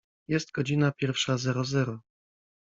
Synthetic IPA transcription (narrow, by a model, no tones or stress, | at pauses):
jɛst̪ɡɔd͡ʑinapʲjɛɾfʂazɛɾɔzɛɾɔ